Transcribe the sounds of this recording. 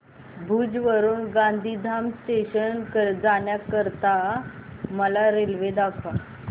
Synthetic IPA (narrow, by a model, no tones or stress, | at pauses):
bʱuːd͡ʑʋəɾuːnɡãnd̪ʱid̪ʱamst̪eɕənkəd͡zaɳjakəɾt̪a | məlaɾelʋed̪akʰa